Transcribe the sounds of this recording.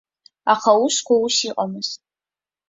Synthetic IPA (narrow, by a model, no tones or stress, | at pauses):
aχawʊʃkʷawusiqʼamɨz